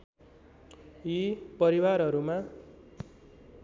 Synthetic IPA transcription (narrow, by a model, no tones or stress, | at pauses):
jipʌɾiwarɦʌɾuma